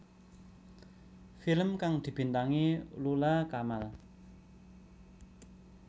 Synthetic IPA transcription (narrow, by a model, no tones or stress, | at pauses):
filəmkaŋd̪̥i̤b̥i̤nt̪aŋilulakamal